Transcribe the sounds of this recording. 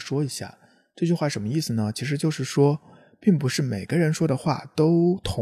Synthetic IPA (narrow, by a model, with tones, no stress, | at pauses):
ʂwɔ˥i˧˥ɕja̰˥˩ | ʈ͡ʂɤ˥˧t͡ɕy˥˧xwa˥˩ʂə˧˥nmə˧i˥˩s̩˩nə˩t͡ɕʰi˧˥ʂ̬ɻ̩˧˥t͡ɕjo˥˧ʊʂɻ̩˥˩ʂwɔ˥ | pi˥˩ŋpu˧˥ʂɻ̩˥˩me˨˩ɪɡ̥ə˦ɻə˧˥nʂwɔ˥d̪ə˨xwa̰˥˩t̪o˥ʊt̪ʰʊ˧˥